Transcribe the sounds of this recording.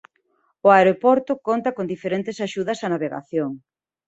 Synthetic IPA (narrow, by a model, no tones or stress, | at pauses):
ʊaeɾopɔɾt̪ʊkont̪ɐkond̪ifeɾent̪ɪsaʃuðɐsɐnaβeɣa̰θjoŋ